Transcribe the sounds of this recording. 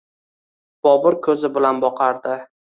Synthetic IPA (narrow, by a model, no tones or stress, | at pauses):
b̥ɒbɪɾkʰɵzɪbɪlanbɒqʰɑɾd̪ɪ